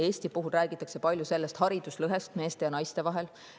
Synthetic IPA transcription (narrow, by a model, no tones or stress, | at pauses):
e̞ːsʲt̪ipuɦulræːɡ̥it̪ːˑɑkse̞pɑlʲjuse̞lːest̪hɑɾid̪̥uslɤɦe̞st̪me̞ːst̪e̞jɑnɑjst̪e̞vɑɦe̞l